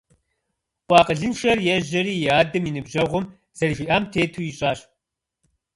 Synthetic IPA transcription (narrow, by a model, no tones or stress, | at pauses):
qʷʼɑːqəɮɨnʃɐrjɛʑɐɾiːjaːdɨminɨbʒɐʁʷʊm | z̥ɐriʒʷiʔaːmtʰeːtʰuːjiɕʼaːɕ